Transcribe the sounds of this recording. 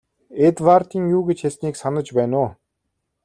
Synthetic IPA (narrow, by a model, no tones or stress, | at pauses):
et̪wart̪iːŋjuːɡet͡ɕxesniːksanə̆t͡ɕpæːnʊː